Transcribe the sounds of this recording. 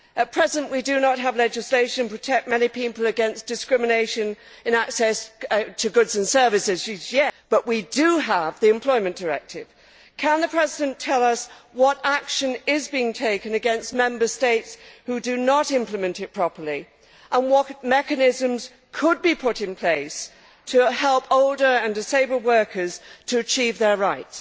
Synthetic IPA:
ɨt̚pʰɹ̥ɛzɨ̃nʔwidɨnət̚ɦəvlɛd͡ʒɨsleɪʃɨ̃npʰɹ̥ɨtʰɛk̚t̚mɛnipipəl̩ˠɨɡɛ̃nsd̥ɨskɹ̥ɪmɨneɪʃɨ̃nɨ̃næksɛstʰɨɡʊdzɨ̃nsɜ˞vɨsɪz̥ʃizjɛb̥ʌʔwidɨəvðiɨ̃mpʰl̥ɔɪmɨ̃nd̥ə˞ɛ̰k̚tɪv̥ | kʰə̃nðɨpʰɹ̥ɛzɪɾɨ̃ntʰɛlˠʌswʌɾækʃɨ̃nɪzbiɪ̃ŋtʰeɪkɨ̃nɨɡɛ̃nst̚mɛ̃mbə˞steɪtshʉdɨnəɾɪ̃mpləmɨ̃ntɨt̚pʰɹ̥ɑpə˞lˠi | ʔə̃nwʌɾmɛkɨnɪzɨ̃mz̥ | kʰəd̚bipʰʊɾɨ̃npʰl̥eɪs | tʰɨhɛlˠpʰoʊlˠdə˞ɨ̃ndɨseɪbə˞wɜ˞kʰə˞z̥tʰɨːt͡ʃʰivðə˞ɹaɪts

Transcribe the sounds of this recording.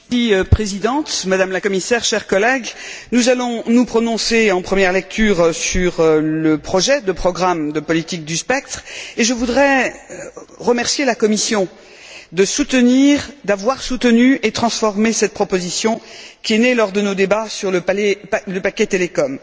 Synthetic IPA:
ipχezid̪ɑ̃t̪mad̪amlakɔmisɛʁʃɛʁkɔlɛɡnuzalɔ̃nupχɔnɔ̃seɑ̃pχəmjɛʁlɛk̚t̪ʰyʁsyʁləpχɔʒɛd̪əpχɔɡʁamd̪əpɔlit̪ik̚d̪yspɛk̚t̪χeʒəvud̪ʁɛ | ʁəmɛʁsjelakɔmisjɔ̃ | d̪əsut̪əniʁd̪avwaʁsut̪ənyet̪χɑ̃sfɔʁmesɛt̪̚pχɔpozisjɔ̃kʲiɛnelɔʁd̪ənod̪ebasyʁləɛləpakʲɛt̪elekɔm

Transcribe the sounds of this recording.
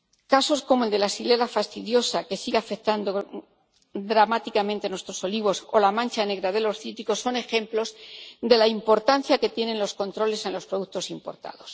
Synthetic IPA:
kaso̞sko̞moeld̪e̞lasile̞lafast̪iðjo̞sake̞siɣafe̞k̚t̪and̪o | d̪ɾamat̪ikamẽ̞nt̪enwe̞st̪ɾo̞so̞liβ̞o̞so̞lamãnt͡ʃane̞ɣ̞ɾaðe̞lo̞sθit̪iko̞sːo̞ne̞xẽ̞mplo̞zd̪e̞laimpo̞ɾt̪an̟θjake̞t̪je̞nẽ̞nlo̞sko̞nt̪ɾo̞le̞se̞nlo̞spɾo̞ðukt̪o̞simpo̞ɾt̪a̰ðo̞s

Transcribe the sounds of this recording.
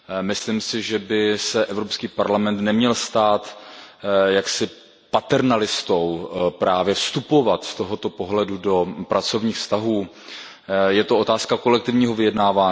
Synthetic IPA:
mɪslɪmsɪʒɛbɪsɛʔɛvɾopskiːpaɾlamɛnt̪nɛmɲɛlst̪aːt̪ | jaksɪ | pat̪ɛɾnalɪst̪o̞wpɾaːvjɛfst̪upo̞vat̪st̪o̞ɦo̞t̪o̞po̞ɦlɛdudo̞pɾat͡so̞vɲiːxfst̪aɦuː | jɛt̪oʔo̞t̪aːskako̞lɛk̚t̪ɪvɲiːɦo̞vɪjɛdnaːvaː

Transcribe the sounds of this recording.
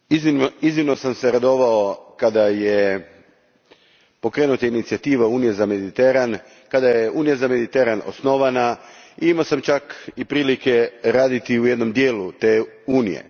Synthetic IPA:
iziiznimnosamse̞ɾad̪o̞ʋaokad̪aje | po̞kɾeːnut̪ainit̪sijat̪iːʋauːnijezame̞d̪it̪eɾan | kad̪ajeuːnijazame̞d̪it̪eɾano̰sno̞ʋanaiimaosamt͡ʃakipɾiːlike̞ɾaːd̪it̪iuje̞d̪no̞md̪je̞ːlut̪eːuːnḭje̞̰

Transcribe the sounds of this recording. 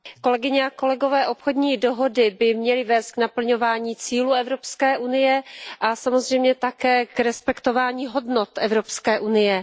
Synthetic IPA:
ko̞lɛɡɪɲɛako̞lɛɡo̞vɛːʔo̞pxodɲiːdo̞ɦo̞dɪbɪmɲɛlɪvɛːst̪̚ɡnapl̩ɲovaːɲiːt͡siːluːɛvɾo̞pskɛːʔunɪjɛʔasamo̞zr̝ɛjmɲɛt̪akɛːkɾɛspɛkt̪o̞vaːɲiːɦo̞dnot̪ʔɛvɾopskɛːʔunɪjɛ

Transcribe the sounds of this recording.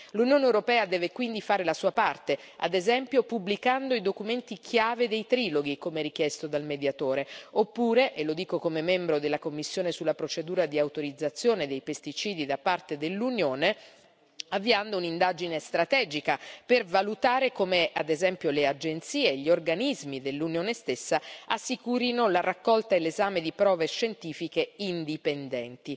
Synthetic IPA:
lunjoːnewɾopɛːad̪ɛːvekwind̪ifaːɾelasuːapart̪ea̰d̪ezɛmpjopublikand̪oid̪okument̪ikʰjaːved̪ejt̪ɾiːloɡikomeɾik̟jɛst̪od̪almed̪jat̪oːɾeopːuːɾeʔelod̪iːkokomemɛmbɾod̪elːakomːisːjoːnesulːapɾot͡ʃed̪uːɾad̪iawt̪oɾid̪zːat̪sːjoːned̪ejpest̪it͡ʃiːd̪id̪apart̪ed̪elːunjoːne | avːiand̪ounind̪ad͡ʒinest̪ɾat̪ɛːd͡ʒikapervalut̪aːɾekomead̪ezɛmpjolead͡ʒent̪siːeʎːiorɡanizmid̪elːunjoːnest̪esːaasːikuːɾinolarakːɔlt̪aelːezaːmed̪ipɾɔːveʃent̪iːfikeind̪ipend̪ɛnt̪i

